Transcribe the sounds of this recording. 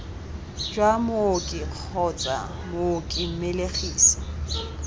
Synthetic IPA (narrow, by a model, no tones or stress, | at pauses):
d͡ʒwamokʼɪq͡χʰɔt͡sʼa̰ | mokʼɪm̩meleχiːsḁ